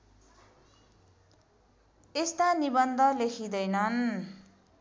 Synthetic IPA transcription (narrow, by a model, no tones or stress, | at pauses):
est̪anibʌnd̪ʱʌlekʰid̪ʌjnʌn